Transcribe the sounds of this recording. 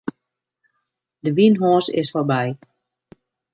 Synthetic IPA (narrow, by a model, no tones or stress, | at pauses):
dəʋinɦɔːsɪ̰sforbɛj